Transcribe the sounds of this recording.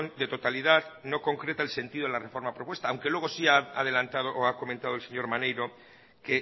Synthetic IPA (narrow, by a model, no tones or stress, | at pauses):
ond̪e̞t̪o̞t̪alið̞aðno̞ko̞ŋkɾe̞t̪aelse̞nt̪iðoelarefo̞ɾmapɾopwe̞st̪aːwŋkelwe̞ɣ̞o̞siaaðe̞lant̪að̞oʔoako̞ment̪aðolse̞ɲo̞ɾmanejɾo̞ | ke